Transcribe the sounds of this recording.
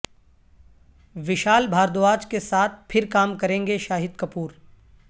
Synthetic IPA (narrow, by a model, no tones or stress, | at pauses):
ʋɪʃaːlbʱaːɾd̪oaːd͡ʒkesaːt̪̚ʰpʰɪɾkaːmkɐɾẽːŋɡeʃaːɦɪd̪kɐpuːɾ